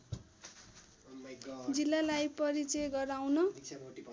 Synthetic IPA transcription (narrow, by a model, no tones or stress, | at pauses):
d͡zilːalajpʌɾit͡sʌjɡʌɾawnʌ